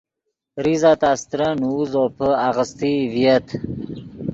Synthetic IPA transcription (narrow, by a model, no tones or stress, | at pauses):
ɾizat̪ast̪ɾanuːzopʰəaɣəst̪ivijət̪